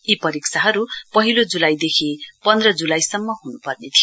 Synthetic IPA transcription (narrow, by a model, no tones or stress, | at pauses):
ipʌɾikt͡sʰaɦʌɾupʌɦilod͡zulajd̪ekʰipʌnd̪rʌd͡zulajsʌmːʌɦunupʌrnet̪ʰijo